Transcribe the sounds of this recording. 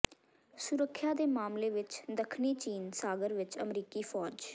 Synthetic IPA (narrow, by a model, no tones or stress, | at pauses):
sʊɾəkʰːjaːd̪eːmaːmleːʋɪt͡ʃd̪əkʰniːt͡ʃiːnsaːɡəɾʋɪt͡ʃəmɾiːkiːpʰɔːd͡ʒ